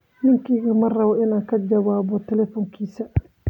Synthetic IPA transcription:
nɪŋkiɣɐmɐrɐβɔʔɪnaːŋkʰɐd͡ʒɐβaːβɔt̪ʰɛlɛfɔːŋkʰiːsɐ

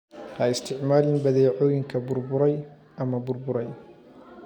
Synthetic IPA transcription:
ɐɪst̪ʰɪʕmaːlɪnbɐðɛːʕɔːjɪŋkʰɐbʊrbʊɾɛj | ʔɐmɐbʊrbʊɾɛj

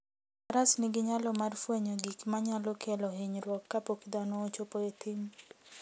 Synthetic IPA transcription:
aɾasniɡɪɲalɔmarfweɲoɡikmaɲalɔkʰelohiɲɾwɔkːapokid̪anɔːt͡ʃopoet̪ʰim

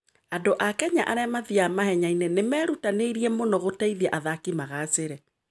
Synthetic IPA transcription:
adoʔakɛɲaʔaɾɛmaðiamahɛɲainenemɛːɾutaneɾiɛmonɔɣotaiðiɛʔaðakimaɣaseɾɛ

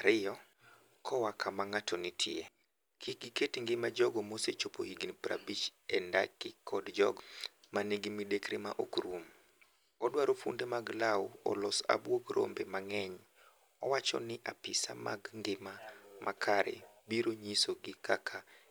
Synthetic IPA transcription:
aɾɪjɔ | kʰɔwakʰamaŋatʰɔnɪtʰɪ̰e | kʰiɡɪketiŋɡɪmad͡ʒɔɡɔmoset͡ʃopoiɡinpɾa̰bit͡ʃɛnda̰kɪkʰɔdd͡ʒɔɡmaneɡɪmidekɾema̰ʔokɾum | ɔdwaɾofṵndemaɡlawɔ̰lɔsa̰bwoɡɾo̰mbemaŋɛɲ | ɔwat͡ʃɔ̰nɪʔapɪsa̰ma̰ɡŋɡɪmamʔakʰaɾḛ | biɾoɲisoɡɪkʰakʰa

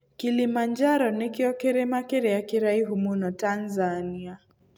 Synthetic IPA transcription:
kilimand͡ʒaɾɔnɛkiɔkɛɾɛmakɛɾɛakiɾaiɦumunɔtanzania

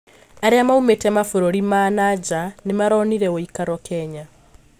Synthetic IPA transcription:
aɾeamaumetɛmafoɾoɾimanad͡ʒanemaɾɔniɾɛoikaɾwɔkʰɛɲa

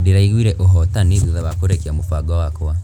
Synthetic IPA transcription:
diɾaiɣwiɾeʔoɦɔtanizuðaβakoɾekiamukwaɡawakowa

